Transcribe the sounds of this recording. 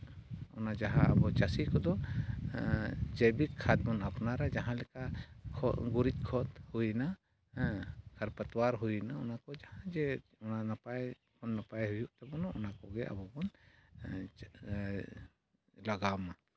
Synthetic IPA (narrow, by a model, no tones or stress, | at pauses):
ɔ̰nad͡ʒaɦã̰abɔt͡ʃasikɔd̪ɔ | d͡ʒɛbikʰːat̪̚bɔnapnaɾad͡ʒaɦãlɛkakʰɔɡuɾit̪̚kʰɔt̪huina | kʰɐɾpat̪waɾɦuinaɔnakɔd͡ʒahãd͡ʒɛɔnanapaj | kɔnːapajɦujuʔt̪abɔnɔɔnakɔɡɛʔa̰bɔbɔn | laɡama